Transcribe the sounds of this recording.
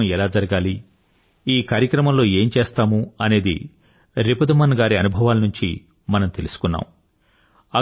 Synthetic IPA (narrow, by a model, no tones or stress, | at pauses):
ɛlaːd͡ʒɐɾɐɡaːli | iːkaːɾjɐkɾɐmɐmlo̞ːe̞ːmt͡ʃeːst̪aːmuɐne̞ːd̪ḭ | ɾipud̪ɐmɐnɡaːɾiɐnubʱɐʋaːlɐnuɲt͡ʃḭ | mɐnɐmt̪e̞lusu̥kunːa̰ːm | ɐ